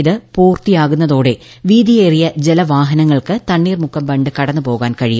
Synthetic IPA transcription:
ðɨpuːrt̪ijaːɣunːɐðo̞ːɽe̞ | ʋiːd̪ijeːrijɐd͡ʑelɐʋaːɦɐnɐŋːɐɭkɨt̪ɐɳːiːrmukʰːɐmbɐɳɖɨkɐɽɐnːɨpo̞ːɣaːnkɐɻij

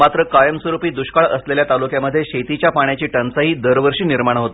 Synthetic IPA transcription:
mat̪ɾəkajəmsʋəɾupiːd̪uɕkaɭəsleljat̪alukjaməd̪ʱjeɕet̪it͡ɕjapaɳjat͡ɕiːʈənsəɦiːd̪əɾʋəɾʂiːniɾmaɳ̃ɦot̪

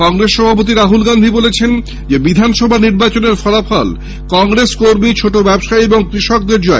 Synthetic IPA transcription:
kɔŋɾesʃɔbʱapot̪̬iɾaɦulɡand̪ʱibolet͡ɕʰen | d͡ʑebid̪ʱanʃɔbʱaniɾbat͡ɕoneɾfɔlafɔl | kɔŋɾeskoɾmit͡ɕʰoʈobɛbʃaieboŋkɾiʃɔk̚d̪eɾd͡ʑɔe

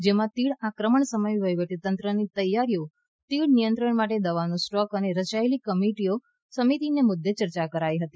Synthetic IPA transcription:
d͡ʒemãt̪iɭakɾəməɳsəməjʋəjʋəʈ̪it̪ənt̪ɾənit̪əjːaɾijo | t̪iɭnijənt̪ɾəɳmaʈed̪əʋanũsʈɔkəneɾət͡ʃaelikəmiʈio | səmit̪inemʊd̪ʱːet͡ʃəɾt͡ʃakəɾajɦət̪i

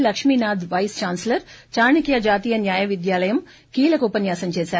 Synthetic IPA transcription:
lɐkʂmiːnaːd̪ʋɐjst͡ʃaːnslɐɾt͡ʃaːɾɳikjɐd͡ʒaːt̪iːjɐnjaːjɐʋid̪jaːlɐjɐm | kiːlɐkupɐnjaːsɐmt͡ʃeːsaːɾ

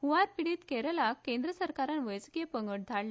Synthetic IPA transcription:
huʋaɾpiɽiːt̪keɾəlakːẽnd̪ɾəsəɾkaɾanʋəjskijepəŋɡəʈ̚d̪ʱaɭla

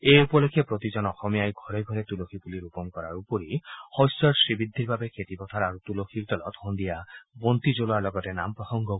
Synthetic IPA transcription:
eupɔlokʰːjepɾot̪id͡ʒɔnɔxɔmijajɡʱɔɾeɡʱɔɾet̪ulokʰibuliɾupɔŋkɔɾaɾupɔɾihɔjsɔɾsɾibid̪ʱːiɾbabekʰet̪ipɔt̪ʰaɾaɾut̪ulokʰiɾt̪ɔlɔt̪hond̪ijabont̪id͡ʒoloaɾlɔɡɔtenampɾɔsɔŋɡɔ

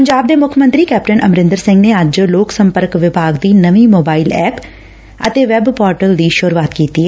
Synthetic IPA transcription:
pəɲd͡ʒaːb̚d̪eːmʊkʰmə̃nt̪ɾiːkɛːpʈənʔəmɾɪ̃nd̪əɾsɪ̃ŋɡneːəd͡ʒloːksə̃mpəɾkʋɪbʱaːɡd̪iːnəʋiːmoːbaːilɛːp | ə̰t̪eːʋɛbpɔːɾʈəld̪iːʃoɾuʋaːt̪kiːt̪iːɦɛ

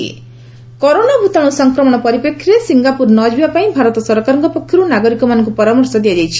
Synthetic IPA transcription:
kɔɾonabʱut̪ɔɽ̃usɔŋkɾɔmɔɽ̃ɔpɔɾipekʰːiɾesiŋɡapuɾnɔd͡ʒibapaĩbʱaɾɔt̪ɔsɔɾɔkaɾɔŋkɔpɔkʰːjɔɾunaɡɔɾikɔmanɔŋkupɔɾamɔɾsɔd̪iad͡ʒajt͡ʃʰi̥

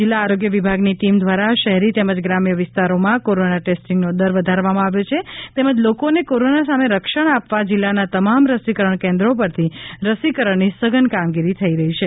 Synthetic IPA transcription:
d͡ʒɪlːaːɾoɡjəʋibʱaɡniʈimd̪ʋaɾaʃəɦɛɾit̪eməd͡ʒɡɾamjəʋɪst̪aɾomãkoɾonaʈesʈiŋɡnod̪əɾʋəd̪ʱaɾʋamãaʋjot͡ʃʰet̪eməd͡ʒlokonekoɾonasameɾəkʃəɽ̃apʋad͡ʒilːanat̪əmamɾəsikəɾəɳ̃kẽnd̪ɾop̬əɾt̪ʰiɾəsikəɾəɳnisəɡənkamɡiɾit̪ʰəiɾəɦit͡ʃʰe

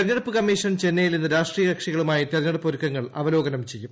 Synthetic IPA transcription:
eɾnɐɽupːɨkɐmːiːʂɐnt͡ɕe̞nːejilninːɨɾaːʂʈriːjɐɾɐkʂiɣɐɭumaːjit̪ernːɐɽupːoɾukːɐŋːɐɭɐʋɐlo̞ːɡɐnɐmt͡ɕe̞jːum

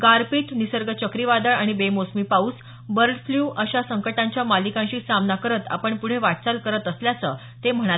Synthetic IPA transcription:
ɡaɾpit̪nisəɾɡət͡ɕəkɾiʋad̪əɭaɽ̃ibemosmiːpauːs | bəɾlfljuːʔəɕasəŋkəʈãɲt͡ɕjamalikãɕiːsamnakəɾət̪a̰pəɳpuɽ̤eʋaʈt͡salkəɾət̪əsljat͡sə | t̪em̤əɽ̃a

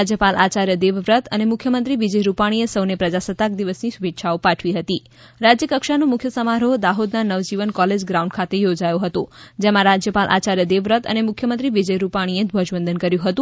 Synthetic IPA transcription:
ad͡ʒjəpalʔat͡ʃaɾjəd̪eʋɾət̪ənemʊkʰjəmənt̪ɾiʋid͡ʒəjɾupaɽ̃iesəwnepɾəd͡ʒasət̪ak̚d̪iʋəsnisubetʃʰaopaʈʰʋiɦət̪i | ɾad͡ʒjəkəkʃanũmʊkʰjəsəmaɾoɦod̪aɦod̪nanəʋd͡ʒiʋənkɔled͡ʒɡɾaũɳɖ̚kʰat̪ejod͡ʒajũɦət̪ũd͡ʒemãɾad͡ʒjəpalʔa̰t͡ʃaɾjəd̪eʋɾət̪ə̰nemʊkʰjəmənt̪ɾiʋid͡ʒəjɾupaɽ̃ied̪ʱʋod͡ʒbənd̪ənkəɾjũɦət̪ũ

